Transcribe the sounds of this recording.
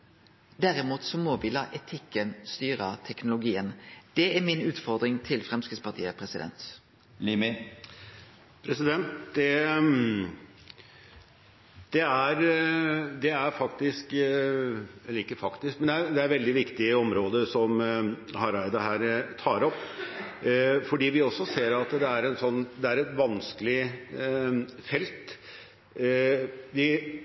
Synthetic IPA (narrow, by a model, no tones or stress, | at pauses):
d̪æɾɪmuːt̪sɔmɔʋɪlɑːʔɛt̪ʰɪkːənst̪yːɾət̪ʰɛknʊlʊɡiːənd̪̥ɛæmɪnʉːt̪fɔʁd̪ʁɪŋt̪ʰɪlfʁɛmskəspʰɑʁt̪ʰḭːə̰pʰʁɛsɪd̪ɛ̰nt̪ | lɪmɪ | pʰɾɛsɪd̪ɛnt̪d̪ɛ | d̪̥ɛæɾ | d̪ɛæɾfɑkt̪ɪsk | ɛlːəɾɪkːəfɑkt̪ɪsk̚mɛnd̪ɛæɾd̪ɛæɾʋɛld̪ɪʋɪkt̪ɪəɔmɾoːd̪əsɔmhɑɾɑɪd̪ɑɦæːɾt̪ʰɑːɾɔpː | fɔɖiːʋɪɔsːɔseːɾɑt̪d̪ɛæɾɛnsɔnːd̪ɛæɾɛt̪ʋɑnskəlɪ | fɛlt̪ | ʋɪ